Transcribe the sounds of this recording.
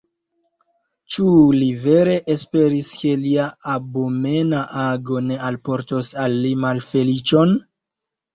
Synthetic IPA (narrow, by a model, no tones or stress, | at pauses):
t͡ʃulive̞ɾe̞ʔespe̞ɾiske̞liaabome̞naʔaɡo̞ne̞alpo̞ɾtosalːimalfe̞lit͡ʃo̞n